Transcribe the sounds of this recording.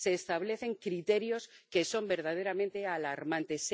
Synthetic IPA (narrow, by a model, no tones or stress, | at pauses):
se̞ːst̪aβle̞θe̞ŋkɾit̪e̞ɾjo̞ske̞so̞mbe̞ɾð̞að̞e̞ɾamẽnt̪e̞alaɾmãnt̪e̞s